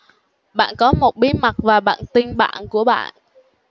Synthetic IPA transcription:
ɓa̰ː˧˨nkɔ˨˦mo˨˩t̚ɓi˨˦ma˨˩t̚vaː˨˩ɓa̰ː˧˨nt̪ï˧ŋɓa̰ː˧˨nku˧˩əɓa̰ː˧˨n

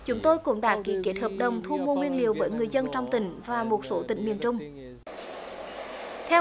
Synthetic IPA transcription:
t͡ɕʊ˨˦ŋ͡mt̪o˧jkʊ̰˧˥ŋ͡mɗa̰ː˧˥ki˨˦ke˨˦˥t̚həː˨˩p̚ɗə˨˩wŋ͡mt̪ʰu˧mo˧ŋwi˧ənli˨əwvəː˨˦jŋɨ˨˩əjzə˧nt͡ɕɔ˧wŋ͡mt̪ï˧˩ŋ̟vaː˨˩mo˨˩t̚so˨˦t̪ï˧˩ŋ̟mi˨˩ənt͡ɕʊ˧ŋ͡m | t̪ʰɛ˧

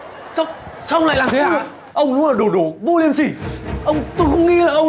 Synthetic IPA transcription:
sa˦˥wk͡p̚ | sɔ˧ŋ͡mla̰ː˧˨jlaː˨˩mt̪ʰe˨˦aː˧˩ | ʔə˧wŋ͡mɗʊ˨˦əː˨˩ɗo˨˩ɗo˨˩˦vu˧li˨˩əmsi˨˧˩ʔə˧wŋ͡mt̪o˧jxə˧wŋ͡mŋi˧laː˨˩ʔə˧w

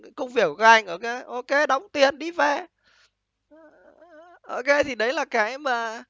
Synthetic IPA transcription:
kʊ˧ŋ͡mvi˨˩əw̚kəː˨˧˦ʔa˧jŋ̟ʔo˧˩ke˨˦jʔo˧ke˨˦ɗɔ˨˦wŋ͡mt̪i˨˩ənɗi˧˩fɛ˧˩ | ʔo˧˩ke˧˦t̪ʰi˨˩ɗə˨˦jlaː˨˩kaː˨˦jmaː˨˩

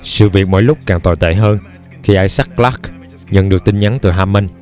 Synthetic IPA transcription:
sɨ̰˧˨vi˨˩ək̚mɔ̰˧˥˦jlʊ˦˥k͡p̚kaː˨˩ŋt̪o˨˩jt̪ḛ˧˨ɦəː˧n | xi˧ʔaː˧˩jsa˦˥k̚kːlaː˦˥k | ɲə̰˧˨nɗɨ˨˩ək̚t̪i˧nɲa˨˦nt̪ɨ̰˨˩ɦaː˧mə˧n

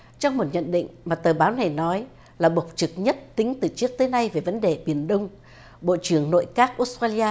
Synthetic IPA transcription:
t͡ɕɔ˧wŋ͡mmo˨˩t̚ɲə̰˧˨nɗḭ˧˨ŋ̟maː˨˩t̪əː˨˩ɓaː˨˦wna˨˩jnɔ˨˦j | laː˨˩ɓə˨˩wk͡p̚t͡ɕɨ˨˩k̚ɲə˦˥t̚t̪ï˨˦ŋ̟t̪ɨ˨˩t͡ɕɨ˦˥ək̚t̪əː˨˦jna˧jve˨˩və˨˦nɗe˨˩ɓi˨˧˩ənɗə˧wŋ͡m | ɓo̰˧˨t͡ɕɨ˧˩əŋno̰˧˨jkaː˦˥k̚ʔo˦˥s̚t̪aː˧li˧aː˧

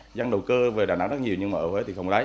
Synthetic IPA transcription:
za˧ŋɗə˨˩wkəː˧ve˨˩ɗaː˨˩na̰˨˦˥ŋzə˦˥t̚ɲi˨˩əwɲɨ˧maː˨˩ʔəː˧˩we˨˦t̪ʰi˨˩xə˧˩wŋ͡mlaː˨˦

